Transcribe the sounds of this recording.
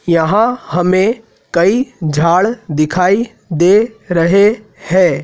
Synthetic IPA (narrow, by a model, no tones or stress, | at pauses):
jɐɦãhɐmẽ | kɐid͡ʒʱaːɭd̪ɪkʰaːi | d̪eːɾəɦe | hɛ̃ː